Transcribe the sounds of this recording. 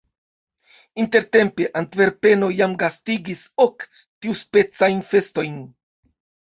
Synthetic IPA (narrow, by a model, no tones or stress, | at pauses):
inte̞ɾte̞mpe̞ʔantve̞ɾpe̞no̞jamɡastiɡiso̞k | tiuspe̞t͡sajnfe̞sto̞jn